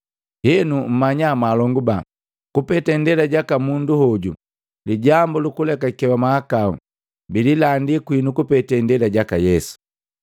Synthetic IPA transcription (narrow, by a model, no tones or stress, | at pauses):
hɛnum̩maɲamalɔŋɡuba | kupɛtɛndɛlaɟakamunduhɔɟṵ | liɟambulukulɛkakɛwamaakaṵ | bililandikwinukupɛtɛndɛlaɟakajɛsu̥